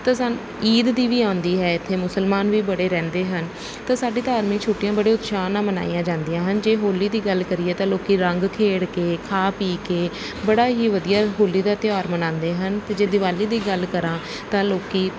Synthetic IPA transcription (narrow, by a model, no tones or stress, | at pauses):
t̪ãːsən | iːd̪d̪iːʋiːãːnd̪iːɦɛːɪt̪ʰːeːmʊsəlmaːnʋiːbəɽeːɾɛ̃ːnd̪eːɦən | t̪ãːsaːɖiːt̪aːɾmĩːt͡ʃʰʊʈːijãːbəɽeːʊt̪ʃaːnãːməna̰ːijãːd͡ʒãːnd̪ijãːɦənd͡ʒeːɦoːliːd̪iːɡəlkəɾiːɛːt̪ãːloːkiːɾəŋɡkʰeːɽkeːkʰaːpiːkeː | bəɽaːɦiːʋəd̪ijaːɦoːliːd̪aːt̪ɪjaːɾmənãːnd̪eːɦənt̪eːd͡ʒeːd̪ɪʋaːliːd̪iːɡəlkəɾãː | t̪ãːloːkiː